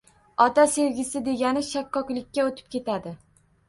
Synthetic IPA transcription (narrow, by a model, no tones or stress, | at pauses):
ɒt̪aseɾɡʲɪsɪd̪e̞ɡʲanɪʃakːɒklɪkʲːaot̪ʰɪ̥p̚kʲe̞t̪ʰad̪ɪ